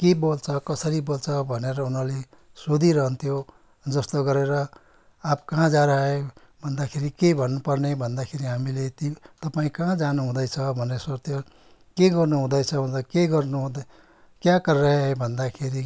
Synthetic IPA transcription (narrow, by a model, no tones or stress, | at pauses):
kebolt͡sʰʌkʌsʌɾibolt͡sʰʌbʱʌneɾʌunʌle | sod̪ʱiɾʌɦʌnt̪ʰijo | d͡zʌst̪oɡʌɾeɾʌ | ap̚kãd͡zãɾʌe | bʱʌnd̪akʰeɾikebʱʌnːupʌrnebʱʌnd̪akʰeɾiɦamilet̪it̪ʌpaĩkãd͡zanuɦũd̪ʌjt͡sʰʌbʱʌnːeswart̪jʌ | keɡʌrnuɦũd̪ʌjt͡sʰʌbʱʌnʌkeɡʌrnu | kjãkʌrʌɦebʱʌnd̪akʰeɾi